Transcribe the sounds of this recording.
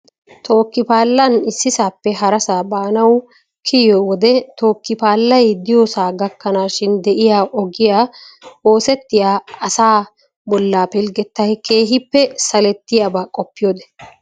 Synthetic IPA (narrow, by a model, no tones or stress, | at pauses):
t̪ʰo̞ːkːɪpaːlːɐnɪsːɪsaːpːɛɦɐɾɐsaːbaːnɐw | kʰɪjɔwɔd̪ɛt̪o̞ːkːɪpaːlːɐjd̪ɪjoːsaːɡɐkːɐnaːʃɪnd̪ɛʔɪjaːʔɔɡɪjaːoːsɛt̪ːɪjaːɐsaː | bɔlːaːpɪlɡɛt̪ːɐjkʰe̞ːɦɪpːɛsɐlɛt̪ːɪjabaːkʼɔpːɪjoːd̪ɛ